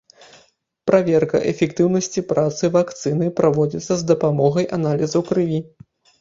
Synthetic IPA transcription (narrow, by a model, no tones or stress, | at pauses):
pɾavʲɛrkɐ̰ʔɛfʲɛkt̪ɨwnɐsʲt͡sʲipɾat̪sɨvakt̪sɨnɨpɾavɔd͡zʲit̪sːɐzd̪ɐpamɔɣɐjʔanalʲizɐwkɾɨvʲi